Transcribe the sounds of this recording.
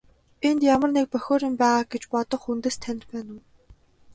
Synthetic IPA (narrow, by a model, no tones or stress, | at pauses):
ent̪jamə̆rnek̚pœxʲoːɾĭmpæːʁaːɡet͡ɕpɔt̪ɞ̆χunt̪ĕːst̪ʰænʲɪ̆ɮpæːnŭː